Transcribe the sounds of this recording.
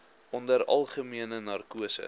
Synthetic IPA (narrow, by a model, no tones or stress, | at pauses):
ʔɔndəɾɐ̰lˠχəmiənənɐrkuəsə̰